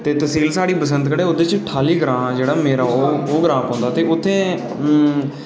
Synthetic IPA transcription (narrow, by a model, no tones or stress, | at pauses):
t̪eːt̪əsiːlsaːɽiːpəsə̃nt̪kəɽeːʊd̪eːt͡ʃʈʰaːliːɡəɾãːd͡ʒeːɽaːmeːɾaːoːoːɡɾãːpãːnd̪aːt̪eːʊt̪ʰːẽː